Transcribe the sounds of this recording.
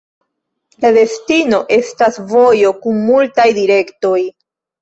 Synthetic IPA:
lade̞stino̞ʔe̞stasvo̞jo̞kunmultajdiɾe̞kto̞j

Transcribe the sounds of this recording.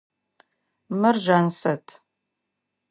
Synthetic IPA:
mɨrʒaːnsɐtʰ

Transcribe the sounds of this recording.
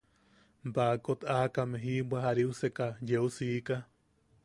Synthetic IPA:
mbakot̪akameɦibʷaɦaɾiusekajeusika

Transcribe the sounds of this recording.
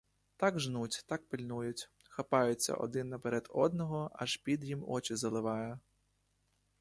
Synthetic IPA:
t̪ɑɡʒnutʲt̪ɑk̚pɪlʲnujʊtʲ | xɐpɑjʊt͡sʲːɐ̰ʔɔ̰d̪ɪnːɐpeɾɛd̪ɔd̪nɔɦɔɐ̰ʒpʲid̪jimɔ̰t͡ʃizɐlˠɪʋɑjɛ

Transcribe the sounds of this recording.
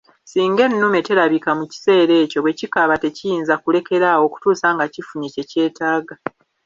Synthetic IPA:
siːŋɡe̞nːume̞te̞ɾaβikamuci̥se̞ːɾe̞ːco̞βwe̞cikaβate̞cijiːnzakule̞ke̞ɾawo̞ːku̥tuːsaːŋɡacifuɲece̞ce̞ːtaːɡa

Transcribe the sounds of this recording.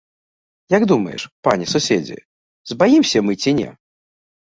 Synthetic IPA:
jaɡd̪umɐ̰jɛ̰ʂpanʲisusʲed͡zʲḭ | zbajimsʲɐmɨt͡sʲinʲɛ̰

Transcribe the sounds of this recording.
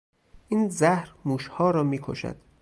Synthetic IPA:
ʔiːnzæhɾmuːʃhɒːɾɒːmiːkʰo̰ʃæ̰d̪̥

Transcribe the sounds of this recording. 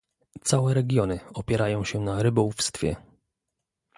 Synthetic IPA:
t̪sawɛɾɛɡʲjɔnɘɔpʲjɛɾajɔ̃w̃ɕɛnaɾɘbɔwufst̪fʲjɛ̰

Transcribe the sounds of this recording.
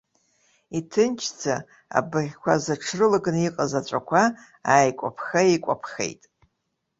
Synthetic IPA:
itʰɨnt͡ʃʰd͡zʰa | a̰bɨʁʲkʷʰazaʈ͡ʂʰrɨlaɡniqʼazat͡ʃʷʼakʷʰa | aːjkʷʼa̰pʰχaekʷʼapʰχḛjtʼ

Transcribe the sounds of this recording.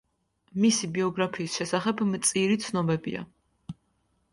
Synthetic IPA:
misibiɔɡɾapʰiːsʃɛsaχɛbmt̪sʼiɾit̪sʰnɔbɛbḭa̰

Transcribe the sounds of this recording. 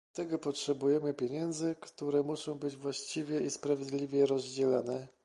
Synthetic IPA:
at̪ɛɡɔpɔtʂɛbujɛmɘpʲjeɲɛnd̪zɘkt̪uɾɛmuʂɔ̃w̃bɘd͡ʑvwaɕt͡ɕivʲjɛispɾavʲjɛd̪lʲivʲjɛɾɔzd͡ʑɛla̰nɛ

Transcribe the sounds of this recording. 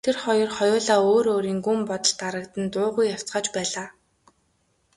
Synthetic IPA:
t̪ʰerχɔjɞ̆rχɔjʊːɮaːoːɾoːɾiːŋɡumpɔt̪ɞ̆ɮt̪aɾə̆kt̪ə̆nt̪ʊːʁujːaw̥t͡sɢaːt͡ɕpæːɮaː

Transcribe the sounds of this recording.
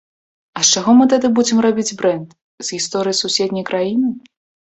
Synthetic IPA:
ɐʂt͡ʂaɣɔmɨt̪̬ad̪ɨbud͡zʲɛmrabʲid͡zʲbɾɛnd̪ | z̥ɣʲist̪ɔɾɨjisusʲɛd̪ʲnʲɐjkɾajinɨ

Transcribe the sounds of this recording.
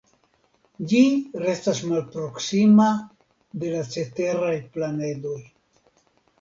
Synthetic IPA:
d͡ʒiɾe̞stasmalpɾo̞ksima | d̪e̞lat͡se̞te̞ɾajplane̞do̞j

